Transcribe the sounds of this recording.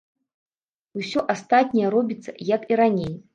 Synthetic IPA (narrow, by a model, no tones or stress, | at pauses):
usʲɔʔast̪at̪̚ʲnʲɛjɛɾɔbʲit̪sːɐ̰jakiɾanʲej